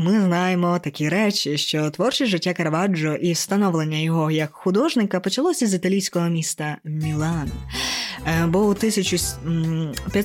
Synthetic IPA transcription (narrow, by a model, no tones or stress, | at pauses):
mɪznɑjemɔt̪ɐkʲiɾɛt͡ʃʲɪʃt͡ʃɔt̪ʋɔrt͡ʃɪʒɪtʲːakɐɾɐʋɑd͡ʒɔʔiwst̪ɐnɔʋlˠe̞nʲːɐjɔɦɔjɐkxʊd̪ɔʒnɪkɐpɔt͡ʃɐlˠɔsʲɐzit̪ɐlʲijsʲkɔɦɔmʲist̪ɐmʲilˠɑnɐ | bɔut̪ɪsʲɐt͡ʃʊ | pʲjɐ